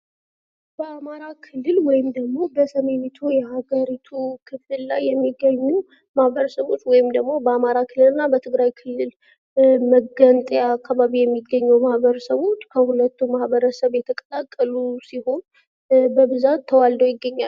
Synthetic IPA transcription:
b̥əamaɾakʰɨlːɨlwɔjɪmd̪əɡmo̞bəsəme̞nit̪ʰujɛhaɡəɾit̪ʰukʰɨflɨllajːɛmːiɡːəɲːu | mahβəɾəsəβo̞t͡ʃːwɔjɪmd̪əɡmo̞bəamaɾakʰɨlːɨlɨnːabət̪ʰɨɡɾajkʰɨlːɨl | məɡənt̪ʼakʰːaβaβijɛmːiɡːəɲːuwmahβəɾəsəβo̞t͡ʃːkʰəhulət̪ːumahbəɾəsəβjɛt̪ʰəkʼəlakʼːəlusiho̞n | bəbɨzat̪ʰːəwald̪əwjɪɡːəɲːa̰l

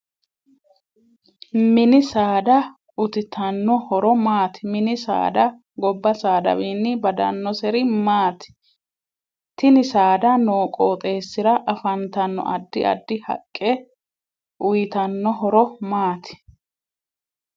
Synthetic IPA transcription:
mɪnɪsaːd̪ɐ | ʊt̪ɪt̪ʰɐnːɔhɔɾɔmaːt̪ɪ̥mɪnɪsa̰ːd̪ɐ | ɡɔbːɐsaːd̪ɐ̰wiːnːɪbɐd̪ɐ̰nːɔsɛɾɪmaːt̪ɪ̥ | t̪ɪnɪsaːd̪ɐnoːkʼoːt̪ʼe̞ːsːɪɾɐʔɐfɐnt̪ɐnːɔ̰ʔɐd̪ːɪʔɐ̰d̪ːɪhɐ̰kʼːɛ | ʔʊjɪt̪ɐnːɔɦɔɾɔmaːt̪ɪ̥

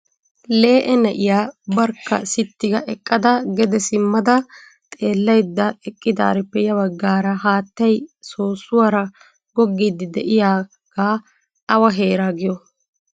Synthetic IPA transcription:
le̞ːʔɛnɐʔɪjaːbɐɾkːɐ̰sɪt̪ːɪɡɐʔɛkʼːɐd̪ɐɡɛd̪ɛsɪmːɐd̪ɐ | t̪ʼe̞ːlːɐjd̪ːɐɛkʼːɪd̪a̰ːɾɛpːɛjɐbɐɡːaːɾɐɦaːt̪ːɐjso̞ːsʊwɐɾɐ | ɡɔɡːiːd̪ɪd̪ɛʔɪjaː | ɡ̥aː | ɐwɐɦe̞ːɾaːɡɪjɔ

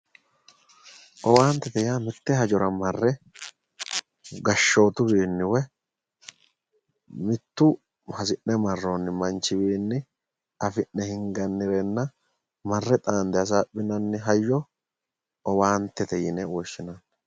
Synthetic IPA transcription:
ʔɔwaːnt̪ːɛt̪ɛjaːmɪt̪ːɛɦɐd͡ʒɔɾɐmɐrːɛ | ɡɐʃːo̞ːt̪ʊbiːnːɪwɛ | mɪt̪ːʊ | hɐsɪnːɛmɐrːonːɪmɐnt͡ʃːɪbiːnːɪ | ɐfɪnːɛhɪŋɡɐnːɪɾɛnːɐ | mɐrːɛt̪ʼaːnd̪ɛɐs̬aːpʼːɪnɐnːɪɦɐjːɔ | ɔwaːnt̪ːɛt̪ɛjɪnɛwɔʃːɪnɐn

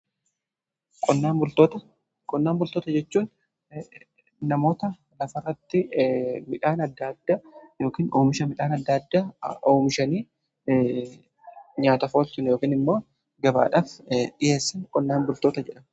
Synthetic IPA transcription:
kʼɔnːaːmbʊlt̪oːt̪ɐ | kɔnːaːmbʊlt̪oːt̪ɐd͡ʒɛt͡ʃːuːn | nɐmo̞ːt̪ɐ | lɐfɐrːɐt̪ːɪmɪᶑaːnɐd̪ːad̪̥ːaːjo̞ːkiːnʔoːmɪʃɐmɪᶑaːnɐd̪ːɐd̪ːaːoːmɪʃɐniː | ɲaːt̪ɐfoːlt͡ʃ̪ɪnjoːkiːnɪmːo̞ː | ɡɐba̰ːᶑaːfᶑɪje̞ːsːɐnkɔnːaːnbʊlt̪oːt̪ɐd͡ʒɛᶑɐm

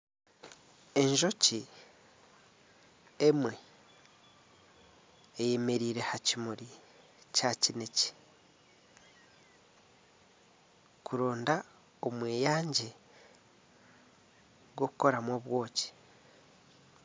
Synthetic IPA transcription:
e̞ɲʒo̞ci | emwe̞ | je̞me̞ɾiːɾe̞hacimuɾi | cacineci̥ | kuɾoːnda | omwe̞ːjaːɲɟe | ɡwo̞kuko̞ɾamwo̞βwo̞ːci̥

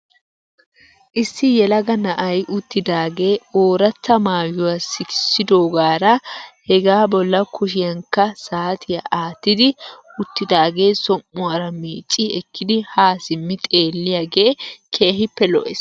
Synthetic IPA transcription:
ʔɪsːɪjɛlɐɡɐnɐʔɐjʔʊt̪ːɪd̪aːɡe̞ːoːɾɐt̪ːɐmaːjʊwasɪksɪd̪oːɡaːɾɐhɛɡaːbɔlːɐkʰʊʃɪjɐŋkːɐsaːt̪ʰɪjɐʔaːt̪ːɪd̪ɪʊt̪ːɪd̪aːɡe̞ːsɔmːʊɐɾɐmiːt͡ʃʼːɪɛkːɪd̪ɪhaːsɪmːɪt̪ʼe̞ːlːɪjɐɡe̞ːkʰe̞ːhɪpːɛlɔ̰ʔes

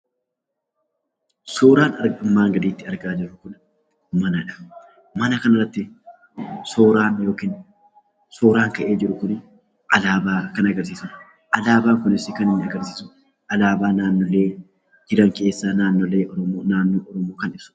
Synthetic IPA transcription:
soːɾaːnɐɡɪmːaːŋɡɐd̪iːt̪ːɪɐɾɡaːd͡ʒɪɾʊkʊn | mɐnɐᶑɐ | mɐnɐkɐnɐrːɐt̪ːɪ | soːɾaːnjo̞ːkiːn | soːɾaːŋkɐʔe̞ːd͡ʒɪɾʊkʊnɪ | ʔɐlaːbaːkɐnɐɡɐɾs̬iːsʊn | ʔɐlaːbaːkʊnɪsɪkɐnɪnːɪɐɡɐɾsiːsʊn | ɐlaːbaːnaːnːɔleː | d͡ʒɪɾɐŋke̞ːsːaːnaːnːɔleːnaːnːoːɔɾɔmoːkɐnɪb̥sʊ̥

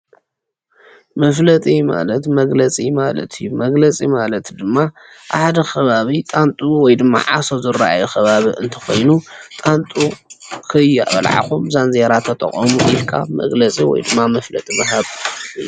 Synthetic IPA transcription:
mɐflɐt̪ʼima̰lɐt̪mɐɡlɐt͡sʼimalɐ̰t̪ʰjumɐɡlɐt͡sʼimalɐt̪d̪ɨmːaʔa̰ħad̪ɐkʰɐβaβit̪ʼant̪ʼuwɔjd̪ɨmːa̰ʕaso̞zɨɾaʔa̰juxʰɐβaβiʔɨnt̪ʰɨ̥xo̞jnut̪ʼant̪ʼukʰɨja̰βɐ̰lʕa̰kʰumzanzeɾat̪ʰɐt̪ʼɐ̰χʼɐmuʔilkʰa̰mɐ̰ɡlɐt͡sʼiwɔ̰jd̪ɨmːamɐflɐ̰t̪ʼimɐɦaβ

